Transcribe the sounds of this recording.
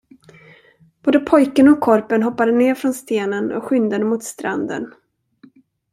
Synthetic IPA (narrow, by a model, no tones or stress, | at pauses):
b̥oːd̪əpʰɔjkənɔkʰːɔɾpənɦɔpːad̪əneːɾfɾɔnst̪eːnənɔ̰kɧʏnd̪ənmʊt̪st̪ɾʔa̰nd̪ə̰n